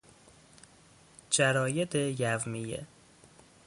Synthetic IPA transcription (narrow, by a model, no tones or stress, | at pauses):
d͡ʒæɾɒːjed̪ejævmijḛ